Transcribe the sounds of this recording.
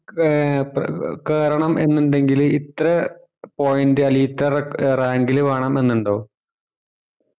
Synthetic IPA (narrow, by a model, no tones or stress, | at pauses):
kaːɾɐɳɐme̞nːuɳɖe̞ŋɡilit̪rɐ | poːjindɨɐliːt̪ːɐrraːŋɡiluʋeːɳɐme̞nːuɳɖo̞ː